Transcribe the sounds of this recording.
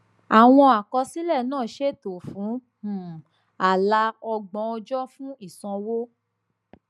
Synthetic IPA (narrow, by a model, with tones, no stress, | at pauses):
a˨w̃ɔ̃˧a˨kɔ˧si˦lɛ˦˨nãː˦˨ʃe˦˨to˨fũ˨˦˨ | a˨la˧˦ɔ˧ɡ͡bɔ̃˧˦ɔ˧d͡ʒɔ˦fũ˦i˦˨sɔ̃˧wo˦